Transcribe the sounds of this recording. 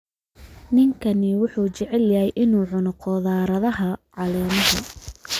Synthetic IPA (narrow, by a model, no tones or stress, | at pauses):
nɪŋkʰɐnɪwʊħuːt͡ʃɛʕɛljɐɦɛjʔɪnuːʕʊnʊqɔːðaːɾɐðɐɦɐʕɑlɛːmɐɦɐ̰